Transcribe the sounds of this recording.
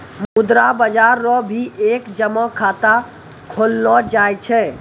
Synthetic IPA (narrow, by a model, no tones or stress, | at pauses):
mud̪ɾabəd͡ʒaɾːɔbʱiʔekd͡ʒəmɔkʰat̪a | kʰolːɔd͡ʒajt͡ʃʰɛ